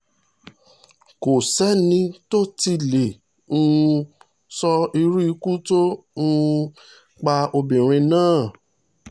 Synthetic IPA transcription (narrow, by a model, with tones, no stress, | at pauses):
ko˨sɛ˦nĩ˧to˦ti˧le˨ | ũ˦˧ | sɔ˧i˧ɾu˦i˧ku˦to˦ũ˧˦ | k͡pa˧o˧bĩ˨ɾ̃ĩ˧nãː˦˨